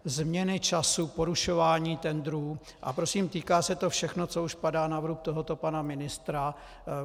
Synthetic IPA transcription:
zmɲɛnɪt͡ʃasupo̞ɾuʃo̞vaːɲiːt̪ɛnd̪ɾuː | ʔa̰pɾo̞siːmt̪iːkaːsɛt̪o̞fʃɛxno̞t͡so̞uʃpadaːnavɾup̚t̪o̞ɦo̞t̪o̞panamɪnɪst̪ɾa

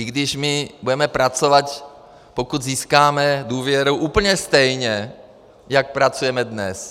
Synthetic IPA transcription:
ɪɡdɪʃmɪbudɛmɛpɾat͡sovat̪ | pokud̪ziːskaːmɛduːvjɛɾuwʔuːpl̩ɲɛst̪ɛjɲɛ | jak̚pɾat͡sujɛmɛdnɛs

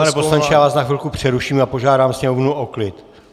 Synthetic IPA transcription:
anɛposlant͡ʃɛjaːvaːsnaxɪlkupr̝̥ɛɾuʃiːmapo̞ʒaːdaːmsɲɛmovnuʔoklɪt̪

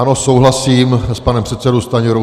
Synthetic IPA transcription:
anosowɦlasiːmspanɛmpr̥ɛt̪sɛdowst̪aɲiɾo

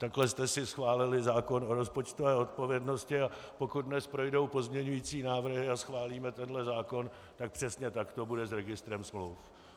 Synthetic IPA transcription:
t̪aklɛst̪ɛsɪsxvaːlɪlɪzaːko̞no̞ɾo̞spo̞t͡ʃt̪ovɛːo̞t̪̚po̞vjɛdno̞scɪapo̞kud̪̚dnɛspɾo̞jdo̞wpo̞zmɲɛɲujiːt͡siːnaːvr̩ɦɪasxvaːliːmɛt̪ɛnɦlɛzaːko̞n | t̪ak̚pr̥ɛsɲɛt̪akt̪o̞budɛzɾɛɡɪst̪ɾɛmsmlowf

